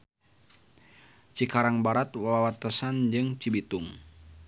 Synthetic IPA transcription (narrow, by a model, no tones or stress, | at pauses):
t͡ʃikaɾaŋbaɾat̪wawawat̪əsand͡ʒɨŋt͡ʃibit̪uŋ